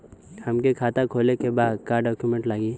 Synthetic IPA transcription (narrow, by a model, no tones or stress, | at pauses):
həmkekʰaːt̪akʰoːlekebaːd̪kaːɾɖɔːkjumẽɳʈlaːɡiː